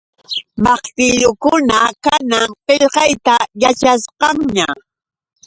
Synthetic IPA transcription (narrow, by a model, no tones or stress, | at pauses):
mɑχt̪ɪʎʊkʊnakanaŋqeʎqɑjt̪ajat͡ʃasqɑŋɲa